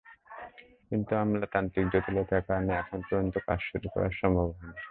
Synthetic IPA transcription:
kint̪uamlat̪ant̪ɾik̚d͡ʑot̪ilek̪ʰakaɾneɛkʰonpɾod͡ʑont̪oka̰d͡ʑʃuɾukɔ̰ɾaɾʃɔmbʱoban

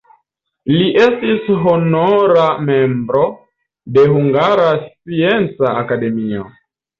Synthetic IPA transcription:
liʔe̞stisɦonoɾame̞mbɾo̞ | de̞huŋɡaɾast͡sie̞nt͡saːkade̞mio̞̰

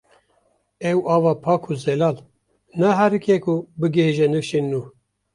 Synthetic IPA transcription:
ɛwɑːvɑːpʰɑːkʰuzɛlɑːl | nɛɦæɾɨkʰɛkʰubɨɡehiʒɛnɨfʃinːuː

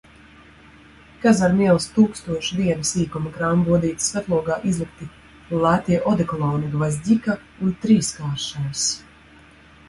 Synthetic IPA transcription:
kazaɾmiɛlˠst̪uːkst̪uɔʃd̪iɛnɨsiːkumakɾaːmbuɔd̪iːt̪svʲæt̪lˠuɔɡaːʔizlˠik̚t̪i | lˠæt̪iɛʔɔd̪ɛklˠɔːniɡvazʲd̪ʲika | unt̪ɾiːskaːɾʃɛɾs

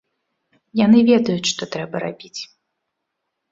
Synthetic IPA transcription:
jan̪ɨvʲɛd̪ɐjut͡sʲʂt̪ɔt̪ɾɛbɐɾabʲit͡sʲ

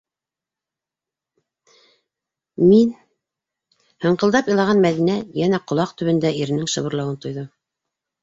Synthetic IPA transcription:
min | hɤ̆ɴqɤ̆ld̪ɑpjɤ̆lˠɑʁɑnmæðinæjænæqŏlˠɑq̚t̪ɵ̆βɘ̆nd̪æiɾɘ̆nɘŋʃɤ̆βɤ̆ɾlˠɑwɤnt̪ŏjðɤm

